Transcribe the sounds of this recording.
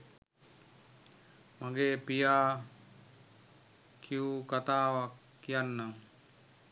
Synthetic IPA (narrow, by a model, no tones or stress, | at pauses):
maɡepijaː | kʰiukat̪aːwakːijanːaŋ